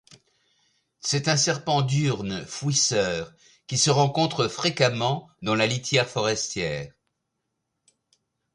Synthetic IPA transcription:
sɛt̪ɛ̃sɛʁpɑ̃d̪yʁnfwisœːʁ | kʲisəʁɑ̃kɔ̃t̪χəfχekamɑ̃d̪ɑ̃lalit̪jɛʁfɔʁɛst̪jɛːʁ

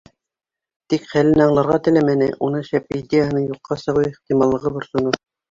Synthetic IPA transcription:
t̪ikχælɘnɑɴlˠɑɾʁɑt̪ɘ̆læmænɘ̰ʔunɤʃæpid̪ʲejəɦɤ̆nɤɴjuqːɑsɤ̆ʁɤeχt̪imɑlˠːɤ̆ʁɤbŏɾsŏno

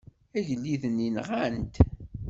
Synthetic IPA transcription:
æʝəlːiðəninʁænt̪

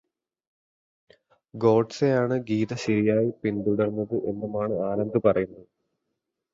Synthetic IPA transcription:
ɡo̞ːɖsejaːɳɨɡiːðɐɕɐɾijaːjipind̪uɽɐrnːɐðɨʔe̞nːɐmaːɳɨaːɾɐnd̪ɨpɐrɐjunːɐðɨ

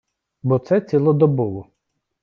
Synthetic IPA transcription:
bɔt̪sɛt͡sʲilˠɔd̪ɔbɔʋʊ

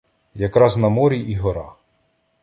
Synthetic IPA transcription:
jɐkɾɑznɐmɔɾʲiʔiɦɔɾɑ

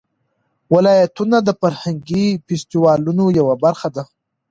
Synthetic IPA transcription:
wɪlɑjat̪unad̪əfaɾhaŋɡifɪst̪iwɑlunojawabaɾxad̪a

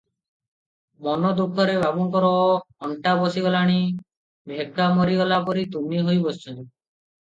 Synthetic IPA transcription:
mɔnɔd̪ukʰɔɾeβabuŋkɔɾɔɔɳʈabɔsiɡɔlaɽ̃i | bʱekːamɔɾiɡɔlapɔɾit̪umiɦojbɔst͡ʃʰɔnt̪i

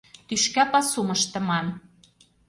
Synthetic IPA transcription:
t̪yʃkæpɑsuməʃt̪ə̆mɑn

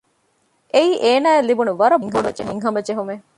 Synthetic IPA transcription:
ʔeiːʔeːnaːelːibunuʋɐɾɐbŋɦɐnd͡ʒḛmiŋɦɐmɐd͡ʒeɦume

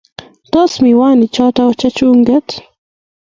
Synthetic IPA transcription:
t̪osmiwaːnit͡ʃɑːt̪awt͡ʃɐt͡ʃuːŋɡet̪

